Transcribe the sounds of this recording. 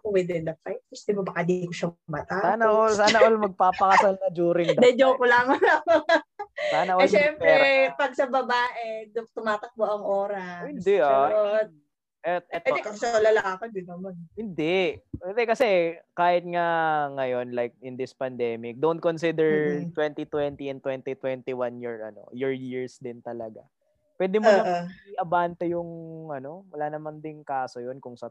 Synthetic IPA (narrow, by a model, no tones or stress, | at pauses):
kowɪd̪ɪnd̪ɐfajt̪̚pɐsd̪ɪbɐbɐkad̪ikoʃɐmɐt̪asaːnɐʔolsaːnɐʔolmɐɡ̚paːpɐkɐsalnɐd͡ʒuːɾɪŋd̪d̪ɛd̪okʊlaːŋɐlɐko | saːnɐʔoʃɛmpɾɛpɐɡ̚sɐbɐbaːʔɛd̪ʊŋt̪ʊmaːt̪ɐk̚moʔɐŋʔoːɾɐhɪnd̪ɛʔao | ʔɛt̪̚ʔɛt̪̚ːd̪ɛkɐsɛʃɐlɐlaɐkod͡ʒ̪ɪnːɐmɐnhɪnd̪ɛhɪnd̪ɛkɐsɛkaːhɪt̪̚ŋaŋɐjo̞nlajk̚ɪnd̪ɪspɐnd̪ɛmɪk̚d̪ont̪̚konsid̪ɛɹt̪wɛnt̪it̪wɛnt̪iɛnt̪wɛnt̪it̪wɛnt̪iwanjiɹʔɐ̰no̞̰jʊɹjiɹsd̪ɪnt̪ɐlɐɡa̰ | pwɛːd̪ɪmʊnɐiʔɐbaːnt̪ɐjʊŋʔɐno̞wɐlaːnɐmɐnd̪ɪŋkaːsojonkʊŋsɐ